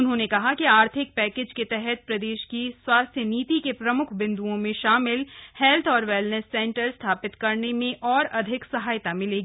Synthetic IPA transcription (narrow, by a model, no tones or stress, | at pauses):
ʊnɦõnekɐɦakiaːɾt̪ʰɪk̚pɛːkeːd͡ʒket̪ɛɦɛt̪̚pɾɐd̪eːʃkiswaːst̪ʰjəniːt̪ikepɾɐmʊkʰbɪ̃nd̪uõmẽʃaːmɪlhɛlt̪ʰɔːɾʋɛːlnəsːɛ̃ːɳʈəɾst̪ʰaːpɪt̪kɐɾnemẽʔɔːɾɐd̪ʱɪksɐɦaːjt̪amɪ̃leːɡiː